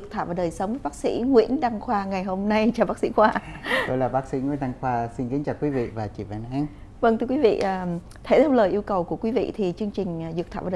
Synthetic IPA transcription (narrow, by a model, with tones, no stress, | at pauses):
t̪ʰa̰ː˧˨vaː˨˩ɗəː˨˩jsə˨˦wŋ͡mvəː˨˦jɓaː˦˥k̚sḭ˧˥ŋwḭ˧˥ənɗa˧ŋxwaː˧ŋa˨˩jɦo˧mna˧jt͡ɕɔ˧˩ɓaː˦˥sḭ˧˥xwaː˧ɗo˧jlaː˨˩ɓaː˦˥k̚sḭ˧˥ŋwḭ˧˥ənɗa˧ŋxwaː˧si˧nki˨˦nt͡ɕaː˨˩kwi˨˦vḭ˧˨vaː˨˩t͡ɕḭ˧˩va̰ː˧˩nʔaː˧˥˦n | və˧ŋt̪ʰɨ˧kwi˨˦vḭ˧˨ʔəː˨˩ | t̪ʰe˧˩t̪ʰe˧wləː˨˩jʔi˧əwkə˨˩wku˧˩əkwi˨˦vḭ˧˨t̪ʰi˨˩t͡ɕɨ˧əŋt͡ɕï˨˩ŋ̟˨˩zɨ˨˩k̚t̪ʰaː˧˨˩